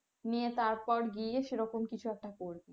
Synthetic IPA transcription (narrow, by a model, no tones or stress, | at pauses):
niet̪aɾpɔɾɡieʃeɾɔkomkit͡ɕʰuɛk̚ʈakoɾbi